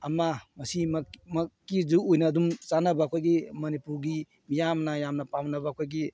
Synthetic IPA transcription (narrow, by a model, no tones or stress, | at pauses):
ɐmɐmɐsimɐmɐkːizuojnɐːdumt͡ʃanɐbakʰojɡimɐnipuɾɡi | mijamnɐjamnɐpamnɐbɐkʰojɡi